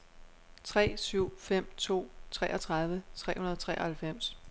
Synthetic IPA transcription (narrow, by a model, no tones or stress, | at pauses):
t͡sʰʁɛ̰ːsyʊ̰fem̰t͡sʰo̝̰ːt͡sʰʁɛːʔɒt͡sʰʁɑ̈ð̞ˠʋət͡sʰʁɛ̰ːhunɐðˠɒ̽t͡sʰʁɛ̰ːɐhælfem̰s